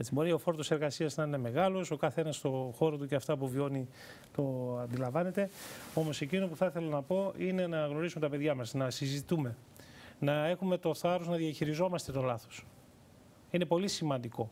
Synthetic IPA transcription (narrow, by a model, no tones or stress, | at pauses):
et͡sibo̞ɾiofo̞ɾt̪ose̞ɾɣɐsiɐznɐine̞me̞ɣɐlo̞so̞kɐθe̞nɐst̪o̞xo̞ɾot̪̬uceɐft̪ɐpuvio̞ni | t̪o̞ɐnd̪ilɐɱvɐne̞t̪e̞o̞mo̞se̞cinopuθɐθe̞lɐnɐpo̞ine̞nɐɣno̞ɾisume̞t̪ɐpe̞ðʝɐmɐsnɐsizit̪ume̞ | nɐe̞xumet̪o̞θɐɾoznɐðiɐçiɾizo̞mɐst̪e̞t̪o̞lɐθo̥s | inepo̞lisimɐnd̪iko̞